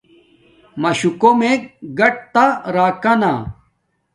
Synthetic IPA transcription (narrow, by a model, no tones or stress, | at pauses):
mɐɕukomekɡɐʈ̚t̪aɾaːkɐnaː